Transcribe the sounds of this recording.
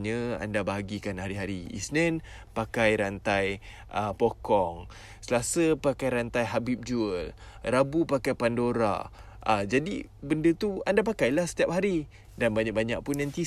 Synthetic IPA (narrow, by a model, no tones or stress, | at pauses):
ɲə̃a̰ndabaɦaɡikanhaɾiɦaɾiḭsnɛn | pakajɾant̪aj | ʔəpokɔŋ | səlasəpakajɾant̪ajɦabip̚d͡ʒuəl | rabupakajpandoɾa̰ | ʔad͡ʒadi | bəndət̪uandapakajlahsə̥t̪iap̚ɦaɾi | danbaɲakbaɲaʔ̚punːãnt̪i